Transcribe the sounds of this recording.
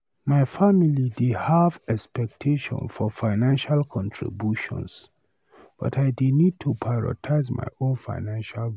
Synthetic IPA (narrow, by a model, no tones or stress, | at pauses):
majfamilididhavɛkspɛk̚tʰeʃɔ̰̃nfɔfaɪnãnʃalkʰɔ̃ntʰɹḭbjuʃɔ̰̃ns | b̥a̰tʰajdinid̚tʰupʰaɹɔ̰tʰaɪzma̰jʔõnfa̰ɪnãnʃal